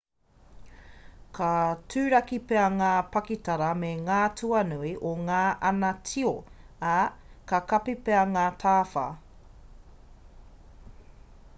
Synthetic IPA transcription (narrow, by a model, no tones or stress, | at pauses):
kʰɐtʰʉːɾɐkipeɐŋaːpɐkitɐɾɐmeŋaːtʰuɐnuiʔoŋaːʔɐnɐtʰioɐkɐkɐpipeɐŋaːtʰaːfɐ̰